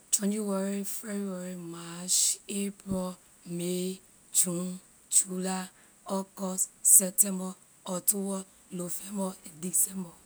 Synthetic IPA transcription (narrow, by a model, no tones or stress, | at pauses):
t͡ʃɔnd͡ʒiwɔɾifebueɾimat͡ʃepɾɔ | me | t͡ʃũn | t͡ʃula | ɔkɔssɛp̚tembɔ | ɔtʊwɔ | lofembɔdisembɔ